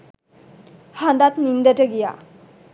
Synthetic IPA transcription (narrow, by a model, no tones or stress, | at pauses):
hand̪at̪̚nind̪ɐtəɡija̰